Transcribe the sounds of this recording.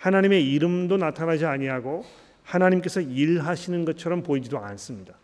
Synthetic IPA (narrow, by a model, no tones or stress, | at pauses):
hanaɲime̞iɾɯmdonatʰanad͡ʑiaɲiɦaɡo | hanaɲimk͈esʰʌiɭɦaɕʰinɯnɡʌt̚t͡ɕʰʌɾʌmpoid͡ʑidoans͈ɯmɲida